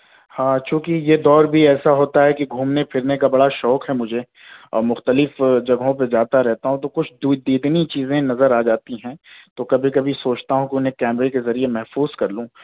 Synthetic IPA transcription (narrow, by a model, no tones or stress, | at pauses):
hãːt͡ʃũːkijed̪ɔːɾbʱiɛːsaɦoːt̪aɦɛkiɡʱuːmnepʰɪɾnekabɐɽaʃɔːkɦɛmʊd͡ʒʱe | ɔ̰ːɾmʊxt̪əlɪfd͡ʒɐɡɦõp̬ed͡ʒaːt̪aɾɛɦt̪aɦũt̪okʊt͡ʃʰd̪ud̪iːd̪nit͡ʃiːzẽnɐzəɾaːd͡ʒaːt̪iɦɛ̃ːt̪okɐbʱikɐbʱisoːt͡ʃt̪aɦũkiʊnɦẽkɛːmɾekezɐɾiemɛɦfuːz̥kɐɾlũː